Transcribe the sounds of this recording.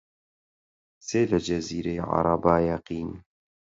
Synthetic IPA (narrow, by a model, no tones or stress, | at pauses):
seːlɐd͡ʒɐziːɾejʕɑ̰ɾˤɑbaːjɐqiːn